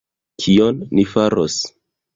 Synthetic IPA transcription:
kʰionːifaɾo̰s

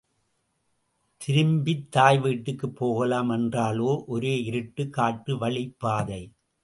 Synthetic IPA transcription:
t̪ʰɪɾɯmbɪt̪ːaːjʋiːʈːɯkːɯpːoːɣɐlaːmɛndraːloːʔɔɾeːɪɾɯʈːɯkːaːʈːɯʋɐɭɪpːaːðɐɪ

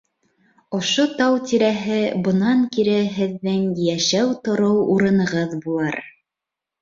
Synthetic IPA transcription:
ŏʃot̪ɑwt̪iɾæɦɘbɤ̆nɑŋkiɾɘɦɘ̆ðːɘŋjæʃæwt̪ŏɾɤwuɾɤ̆nɤ̆ʁɤðbulˠɑɾ

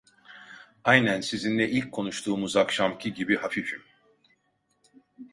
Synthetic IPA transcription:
ajnænsizind̪ɛʔilʲckʰːo̞nuʃt̪ʰuːmuzakʃamcʰiɟibihafifim

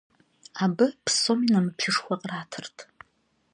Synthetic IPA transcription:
abɨpʰsominamɨpʰɪʂxʷaqʼraːtʰɨrtʰʼ

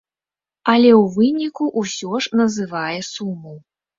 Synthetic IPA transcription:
ɐlʲɛwvɨnʲikuʔusʲɔʐnɐzɨvajɛsumːɐw

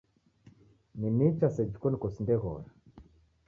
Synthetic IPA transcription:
ninit͡ʃased͡ʒikonkosindeɣɔ̰ɾa

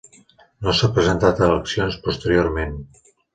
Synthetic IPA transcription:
nosapɾəzənt̪at̪ələksionspust̪əɾijoɾmen

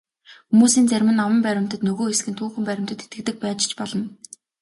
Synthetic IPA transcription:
xumuːsiːnt͡sæɾʲmɘ̆nːawə̆mpæɾʲɪ̆m̥t̪ə̆t̪nɵɣoːxesɡɘ̆nt̪ʰuːxɘ̆mpæɾʲɪ̆m̥t̪ə̆t̪ʰe̥t̪ɡɘ̆kt̪ɘ̆k̚pæːt͡ɕt͡ɕpɔɮɞ̆n

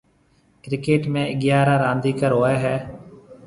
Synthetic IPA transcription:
kɾɪkeːʈmẽːɪɠɪjaːɾaːɾãːnd̪iːkəɾɦoːeːɦɛː

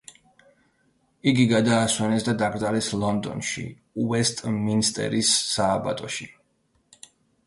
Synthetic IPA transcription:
iɡiɡad̪aːswɛnɛsd̪ad̪aɡɾd̪zalɛslˠɔnd̪ɔ̰nʃḭ | uɛst̪ʼminst̪ʼɛ̰ɾisːaːba̰t̪ʼɔʃi

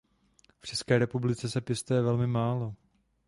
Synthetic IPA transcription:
ft͡ʃɛskɛːɾɛpublɪt͡sɛsɛpjɛst̪ujɛvɛlmɪmaːlo

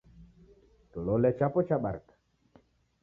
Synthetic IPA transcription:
tololɛt͡ʃapɔt͡ʃaɓaɾkḁ

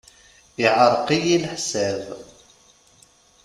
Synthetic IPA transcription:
iʕəɾˤqijilħsæð

